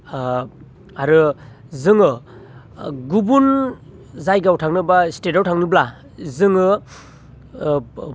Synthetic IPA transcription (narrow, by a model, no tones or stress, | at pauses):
aɾɯ | zɯŋɯ | ɡubun | zajɡawtʰaŋnɯbaistetawtʰaŋnɯbla | zɯŋɯ